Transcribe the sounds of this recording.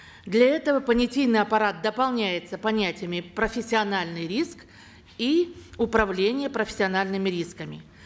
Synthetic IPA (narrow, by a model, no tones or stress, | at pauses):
d̪lʲɐɛt̪əvəpənʲɪtʲijnɨjɐpɐɾat̪̚d̪əpɐlˠnʲæjɪt̪səpɐnʲætʲɪjəmʲɪpɾəfʲɪsʲːɪɐnalʲnɨjɾʲisk | iʊpɾɐvlʲenʲɪjəpɾəfʲɪ̥sʲɪɐnalʲnɨmʲɪɾʲiskəmʲɪ̰